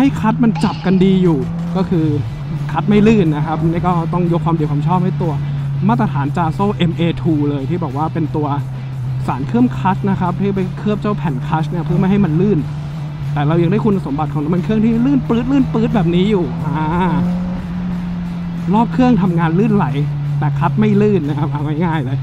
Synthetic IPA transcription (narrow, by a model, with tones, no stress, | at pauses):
ha˥˩jkʰa˦˥t̪̚ma˧nt͡ɕa˨˩p̚ka˧ndiː˧juː˨˩ | kɔː˥˩kʰɯː˧ | kʰa˦˥t̪̚ma˥˩jlɯː˥˩nːa˦˥kʰa˦˥p̚ʔniː˦˥˩kɔː˥˩t̪ɔ˥˩ŋjo˦˥kʰwaː˧mdi˧kʰaː˧mt͡ɕʰɔː˥˩p̚ha˥˩jt̪u˧ɐ | maː˥˩t̪ɾa˧t̪ʰaː˩˦nt͡ɕaː˧soː˥˩ʔe˧mʔeː˧t̪ʰuː˧lɤː˧jt̪ʰiː˥˩bɔː˨˩k̚waː˥˩pe˧nt̪u˧ɐ | saː˩˦nkʰɯ˥˩əmkʰa˦˥s̚na˦˥kʰa˦˥p̚t̪ʰiː˥˩pa˧jkʰɯ˥˩əm̚t͡ɕa˥˩wpʰɛ˨˩nkʰaː˦˥sni˥ɐpʰɯ˥˩ma˥˩ɦa˥˩jma˧nlɯː˥˩n | t̪ɛː˨˩ɾa˧wja˧ŋdaː˥˩ku˧nʔa˧so˩˦mba˨˩t̪̚ʰɔː˨˦la˦˩˦mpe˧nkʰɯ˥˩əŋt̪iː˥˩a˥˩lɯː˥˩˨nplɯː˦˥t̪̚lɯː˥˩npɯː˦˥t̪̚bɛː˨˩p̚niː˦˥juː˨˩ʔaː˧˩ | ɾɔː˥˩p̚kʰɯ˥˩əŋt̪ʰa˧mŋaː˧nlɯː˥˩nla˩˦j | t̪ɛː˨˩kʰa˦˥t̪̚ma˥˩jlɯː˥˩nːa˦˥kʰa˦˥p̚ʔa˧wma˥˩jŋaː˥˩jlɤː˧j